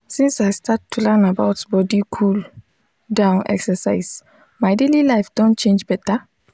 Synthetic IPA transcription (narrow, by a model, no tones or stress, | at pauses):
sĩnsajstatʰːulɛnabawtbɔdikʰul | dãʊ̃nɛ̰ksəsaɪs | maɪdelilaɪfd̥õnt̚t͡ʃẽnd͡ʒbɛtə